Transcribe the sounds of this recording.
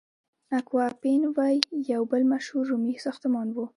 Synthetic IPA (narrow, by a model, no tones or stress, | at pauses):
nakwɑpenwajːawbəlmaʃhuɾːumisɑxt̪ʊmɑnwu